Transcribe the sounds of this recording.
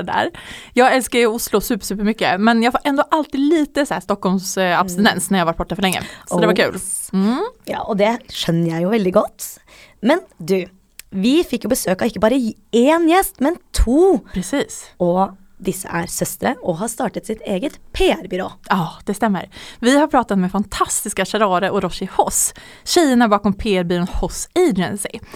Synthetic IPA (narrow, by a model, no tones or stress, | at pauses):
d̪æ̰ɾjɑːɡɛlskəɾɪʊslʊsʉːpəɾsʉːpəɾmʏkːə̰mɛnjɑːɡfoːɾʔɛnd̪ɔʔɑlt̪iːd̪liːt̪əsɔæːʂt̪ɔkːhɔlmsɑbst̪ɪnɛnsnæɾjɑhʋɑʈ̚bɔʈːɑfœɾɭɛŋːə̰sɔɔd̪ɛʋɑkʰʉ̰ːl | jɑ̰ːʔɔd̪ɛʂœnːəɾjæɪjʊʋɛld̪ɪɡɔt̪ː | mɛnd̪ʉ | ʋɪfɪkːjʊbəsøːkɑɪkːəbɑːɾə | eːnjɛst̪mɛnt̪ʰuːpʰɾɛsiːsɔ | d̪ɪsːə̰ʔæɾsœst̪əɾəɔɦɑst̪ɑːʈət̪sɪt̪eːɡət̪pʰeːæɾbʏɾo̰ːɑːd̪̥ɛst̪ɛmːə̰ɾvɪhaɾpʰɾɑːt̪at̪mɛfant̪ʰɑst̪ɪskaʂɛɾɑːɾəɾʔɔɾɔʂɪhɔs | ɕɛjəɳabɑːkɔmpʰeːæɾbʏɾoːnhɔseːd̪ɛnsɪ̰